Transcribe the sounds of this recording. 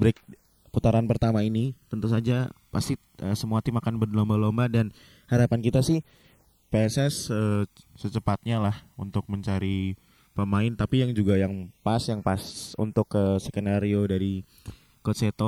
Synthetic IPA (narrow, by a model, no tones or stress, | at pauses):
bɾɪk̚ | put̪aɾanpərt̪amainit̪ənt̪us̬ad͡ʒapast̪i | ʔəsəmuat̪imakanbərdlombalombahdan | haɾapankit̪asɪh | pɛsɛsəsət͡ʃəpat̪̚ɲalahunt̪ʊk̚məɲt͡ʃaɾi | pəmaɪnt̪apijaŋd͡ʒuɡajaŋpasjaŋpasṵnt̪ʊkːəsəkənaɾiodaɾi | koset̪o